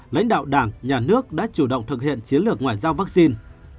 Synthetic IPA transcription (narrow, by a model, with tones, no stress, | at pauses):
la̰˧˥jŋ̟ɗa̰ː˧˨wɗaː˧˩ŋɲaː˨˩nɨ˦˥ək̚ɗa̰ː˧˥t͡ɕu˧˩ɗə̰˧˨wŋ͡mt̪ʰɨ˨˩k̚hḭ˧˨ənt͡ɕi˨˦ənlɨ˨˩ək̚ŋwaː˨˩jzaː˧wva˦˥k̚si˧n